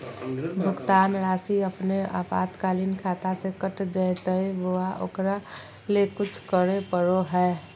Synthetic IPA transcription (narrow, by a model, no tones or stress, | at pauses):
bʱʊɡt̪aːnɾaːsiəpnea̰ːpa̰ːt̪kaːlinkʰaːt̪asekəʈd͡ʒət̪əiboaʔo̰ːkɾa | lekʊt͡ʃʰkəɾepəɾoɦɛː